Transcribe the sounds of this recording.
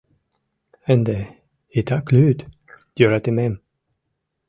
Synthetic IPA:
ɛnd̪ɛ | it̪ʰakʰlʉːt̪ | jøɾat̪ɪmɛm

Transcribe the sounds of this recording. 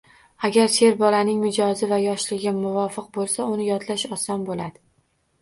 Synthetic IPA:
aɡʲaɾsʰe̞ɾbɒlanɪŋmɪd͡ʒɒzɪvajɒʃlɪɡʲɪmʊvɒfɪq̚bolˠsaʊnɪjɒt̪ʰlaʃɒsɒnbolad̪ɪ

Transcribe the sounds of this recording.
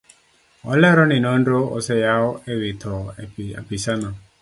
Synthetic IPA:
ɔ̰lɛɾɔnɪnɔnɾoɔ̰sɛjaɔewet̪ʰɔa̰pisana

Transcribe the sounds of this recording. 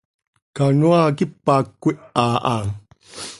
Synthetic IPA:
kanuakipːakːuiʔaʔa

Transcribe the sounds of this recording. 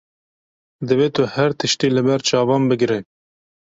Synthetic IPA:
d̪ɨveːt̪ʰʊhɛɾt̪ʰɨʃt̪iːlɨbɛɾt͡ʃʰɑːvɑːmbɨɡɾɛ

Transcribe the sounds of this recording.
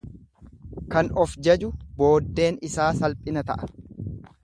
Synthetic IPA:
kɐnɔfd͡ʒɐd͡ʒʊbo̞ːd̪ːe̞ːnɪsaːsɐlpʼɪnɐt̪ɐ̰ʔɐ̥

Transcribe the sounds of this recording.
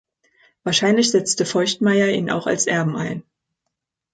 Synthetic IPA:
v̥aːɐʃaɪnlɪçz̥ɛt͡stəfɔʏçtmaɪɐʔḭːnʔa̰ʊxa̰lsʔɛɐbm̩a̰ɪn

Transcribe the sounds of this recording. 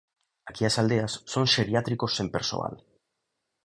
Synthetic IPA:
akiasald̪e̞asːo̞nse̞ɾiat̪ɾiko̞se̞mpeɾso̞̰a̰l

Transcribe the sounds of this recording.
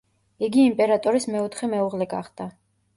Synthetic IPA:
iɡiːmpʼɛɾat̪ʼɔɾismɛɔt̪ʰχɛmɛuʁlɛɡa̰χd̪̥a

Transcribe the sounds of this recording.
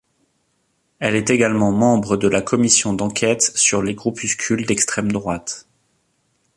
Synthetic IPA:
ɛlɛt̪eɡalmɑ̃mɑ̃bʁəd̪əlakʰɔmisjɔ̃d̪ɑ̃kʲʰɛt̪syʁleɡʁupyskʲʰyld̪ɛkst̪χɛmd̪ʁwat̪

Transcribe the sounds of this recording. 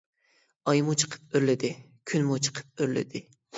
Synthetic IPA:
ɑjmut͡ʃʰə̥qʰə̥p̚øɾlɪd̪ɪ | kʲʰynmut͡ʃʰə̥qʰə̥p̚øɾlɪ̰d̪ɪ

